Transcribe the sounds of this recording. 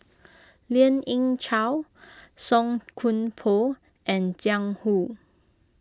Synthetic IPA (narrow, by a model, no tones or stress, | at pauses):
liə̃nĩŋt͡ʃʰawsɔ̃ŋkʰũnpʰo | ʔɛ̃nd͡ʒãŋhu